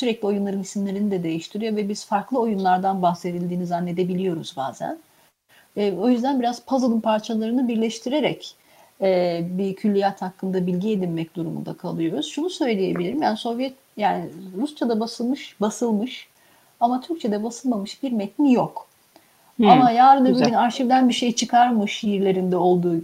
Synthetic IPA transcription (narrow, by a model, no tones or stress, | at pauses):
syɾɛclʲio̞junlˠaɾɯnisimlʲe̞ɾinid̪ɛd̪e̞jiʃt̪ʰiɾijovɛbiz̥faɾklˠɯo̞junlˠaɾd̪anbaxse̞d̪ilʲd̪iːnizanːe̞d̪e̞bilʲijo̞ɾuzba̰ːzæ̰n | ɛːo̞jyzd̪ænbiɾaz̥pʰazalˠɯmpʰaɾt͡ʃʰalˠaɾɯnɯbiɾlʲɛʃt̪ʰiɾe̞ɾɛc | ɛːbicʰylʲːijat̪hakːɯnd̪abilʲɟie̞d̪inmɛc̚d̪uɾumṵnd̪a̰kʰa̰lˠɯjo̞ɾuz̥ʃunusø̞jlʲeje̞bilʲiɾimjænso̞vjɛt̪̚ | jaːniɾust͡ʃad̪abasɯlˠmɯʃbasɯlˠmɯʃ | amat̪ʰyɾct͡ʃʰed̪ɛbasɯlˠmamɯʃbiɾmɛt̪nijok | amajaːɾɯnabyinaɾʃivd̪ænbiʃe̞jt͡ʃʰɯkʰaɾmɯʃijiɾlʲe̞ɾind̪ɛo̞lˠd̪uː